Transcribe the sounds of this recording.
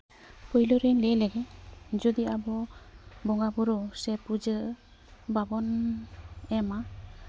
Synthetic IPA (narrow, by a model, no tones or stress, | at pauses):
pɔjlɔɾilelɛɡɛd͡ʒɔd̪iabɔbɔŋɡabuɾɔsɛpud͡ʒɯ | babɔn | ɛma